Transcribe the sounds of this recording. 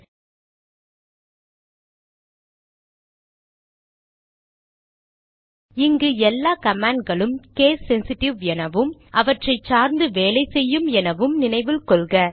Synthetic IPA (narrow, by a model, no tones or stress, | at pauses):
ɪŋɡɯɛlːaːkɐmaːɳɡɐɭɯmkeːsːɛnsɪʈːɪʋɛnɐʋɯmʔɐʋɐʈrɐɪt͡ʃaːɾnd̪ɯʋeːlɐɪsɛjːɯmɛnɐʋɯmnɪnɐɪʋɪlkɔɭɣɐ